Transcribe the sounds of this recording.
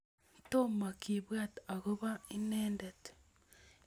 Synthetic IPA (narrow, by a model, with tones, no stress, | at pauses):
to˦ma˨kiβwa˦ta˨ɣo˦βa˦i˦neːndete̥